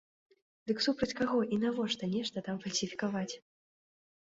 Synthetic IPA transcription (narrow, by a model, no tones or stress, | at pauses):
d̪ɨksupɾɐt͡sʲkaɣɔʔinavɔʂt̪ɐnʲɛʂt̪ɐt̪amfɐlʲsʲifʲikavat͡sʲ